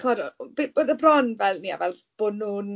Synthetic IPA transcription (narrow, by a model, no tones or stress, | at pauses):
χɔɾɔ̰beboðəbrɔnvɛlˠnia̰vɛlˠ | b̥onuːn